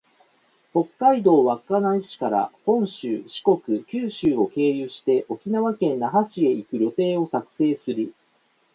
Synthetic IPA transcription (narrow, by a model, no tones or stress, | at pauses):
ho̞kːaid̪o̞ːβakːanaiɕi̥kaɾa̰hõ̞ɰ̃ɕɨːɕi̥ko̞kɯ̟kʲɨːɕɨːo̞ke̞ːjɯːɕi̥t̪e̞ʔo̞kʲinaβakẽ̞nːaɦaɕie̞ikɯ̟ɾʲo̞t̪e̞ːo̞sakɯ̟̥se̞ːsɨɾi